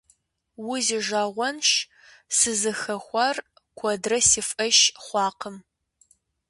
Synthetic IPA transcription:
wʊzɪʒaːʁʷɔnʃ | sɨzɨxɐxʷɐr | kʷʰɔdrɐsifʔɐʃχʷɑːqəm

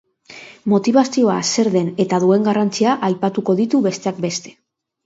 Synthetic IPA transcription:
mo̞t̪iβasio̞ase̞ɾðe̞ne̞t̪aðue̞ŋɡarant͡siaʔajpat̪uko̞ðit̪uβe̞st̪e̞ak̚be̞st̪e̞̥

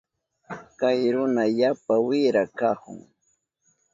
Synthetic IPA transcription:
kajɾʊnajapawɪɾakahʊ̰ŋ

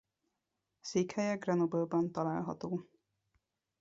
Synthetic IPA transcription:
seːkhɛjɛɡrɛnobølbɒnt̪ɒlaːlɦɒ̰t̪oː

